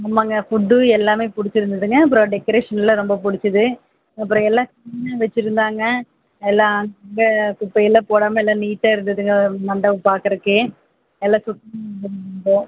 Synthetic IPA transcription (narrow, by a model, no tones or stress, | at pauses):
ɐmːaːŋɡɐfʊɖːɯɛlːaːmeːpʊɽɪt͡ʃːɪɾɯnd̪ɐðɯŋɡɐɐp̬ːɯɾõɖɛkːɐɾeːʂɐnɪlɐɾɔmbɐp̬ʊɽɪt͡ʃːɐðɯ | ɐpːɯɾɔ̃ɛlːaːkɐnaːʋɛt͡ʃːɪɾɯnd̪aːŋɡɐ | ɛlːãɐŋːŋɡɐkʊpːɐjɪlɐpoːɽaːmɐɛlːãːniːʈːaːɪɾɯnd̪ɐðɯŋɡɐmɐɳɖɐʋɯpaːɾkɐɾɯkːe | ɛlːãːsʊʈːɐmd̪ɐnbõː